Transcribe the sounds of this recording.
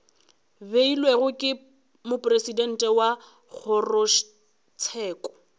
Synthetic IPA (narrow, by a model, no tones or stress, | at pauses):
beilweɣʊkʼɪ | mʊpʼresidɛn̩tʼɛwa | k͡xʰɔrʊʃ | t͡sʰɛːkʼɔ̥